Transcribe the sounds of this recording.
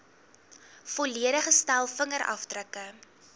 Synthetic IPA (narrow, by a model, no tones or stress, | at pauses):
foliəɾəχəstælˠfəŋəɾʔɐ̰fdrəkə